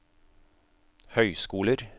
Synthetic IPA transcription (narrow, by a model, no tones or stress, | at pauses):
hœʏskuːləɾ